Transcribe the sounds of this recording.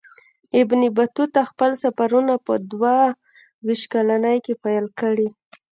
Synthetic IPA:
ɪbnibat̪ut̪axpəlsafaɾunapəd̪wa | wiʃkalanəjkepajlkəɽi

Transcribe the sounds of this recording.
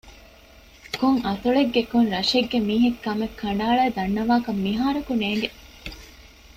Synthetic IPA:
koŋɐt̪uɭeɡːekonɾɐʃeɡːemiːɦekːɐmekʰːɐɳ̆ɖaːɭæːd̪ɐnːɐʋaːkɐmːiɦaːɾɐkuneːŋ̆ɡe

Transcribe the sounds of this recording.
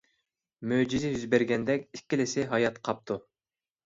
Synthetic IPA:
mød͡ʒizɪjyzbɛɾɡʲɛnd̪ɛkʲikʲːilɪsɪɦɑjɑt̪qʰɑp̚t̪ʰu

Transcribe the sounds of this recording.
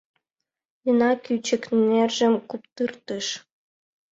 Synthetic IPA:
jənɑkyt͡ɕə̆knerʒə̆mkup̚t̪ɯrt̪əʃ

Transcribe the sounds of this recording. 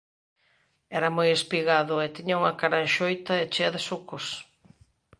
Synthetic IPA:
ɛɾɐmojespiɣaðʊɛt̪iɲauŋakaɾaʃojt̪ɐet͡ʃɛðɪsukʊs

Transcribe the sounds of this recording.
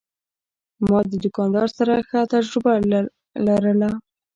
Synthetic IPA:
mɑd̪əd̪ʊkɑndɑɾsaɾaxət̪ad͡ʒɾɪba | laɾəla

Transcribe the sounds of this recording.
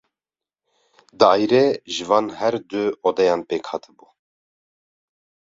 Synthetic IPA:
d̪ɑɑːjɾɛʒɨvɑːnhɛɾd̪ɨod̪ɛjɑːnpeːkʰhɑːt̪ʰɨbuː

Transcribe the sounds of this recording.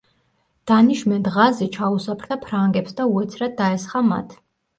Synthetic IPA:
d̪̥aniʃmɛnt̪ʁazit͡ʃʰausapʰɾd̪apʰɾaŋɡɛpsd̪auɛt̪sʰɾad̪aɛsχama̰t̪ʰ

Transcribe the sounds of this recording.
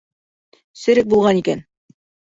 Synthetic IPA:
sɘ̆ɾɘk̚bulˠʁɑnikæn

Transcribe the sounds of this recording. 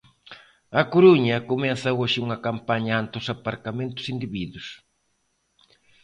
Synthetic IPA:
ɐkoɾuɲɐkomɛθɐoʃɪuŋɐkampaɲɐant̪ɪosapaɾkamẽnt̪ʊ̥sind̪iβiðʊs

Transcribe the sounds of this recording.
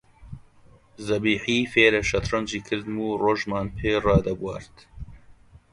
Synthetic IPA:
zɐbiːħiːfeːɾɛʃɐt̪rɐmʒiːkʰɨɾd̪muːroːʒmɑːnpʰeːrɑːd̪ɐbwɑ̰ːɾt̪

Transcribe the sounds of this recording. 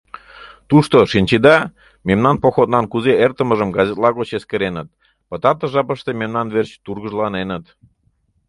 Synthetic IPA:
t̪uʃt̪oʃinʲt͡ɕid̪ɑ | memnɑnpoxot̪̚nɑnkuzeert̪əməʒəmɡɑzʲet̪lɑɣot͡ɕeskəɾenət̪̚ | pət̪ɑt̪əʒɑpəʃt̪ememnɑnβert͡ɕt̪urɣəʒlɑnenə̆t̪

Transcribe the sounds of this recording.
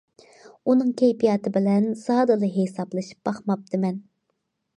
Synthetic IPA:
unɨŋkʲʰejpijɑːt̪ɨbɪlɛnsɑːd̪ɨlˠɨɦesɑblˠɨʃi̥p̚bɑχmɑp̚d̪ɨmɛn

